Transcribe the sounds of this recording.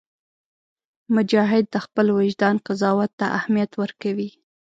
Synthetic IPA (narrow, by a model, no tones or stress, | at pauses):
mʊd͡ʒɑɦɪd̪̚ːəxpəlwɪʒd̪ɑnqazɑwat̪ːaʔahmijat̪wəɾkawi